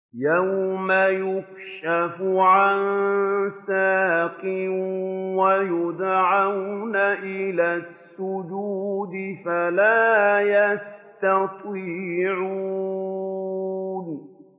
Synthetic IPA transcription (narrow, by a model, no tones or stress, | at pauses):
jawmajʊk | ʃafʊʕansaːqɪ | wajʊd̪ʕawnaʔɪlaːsːʊd͡ʒuːd̪ɪfalaːjast̪ɑt̪ˤiːʕu | n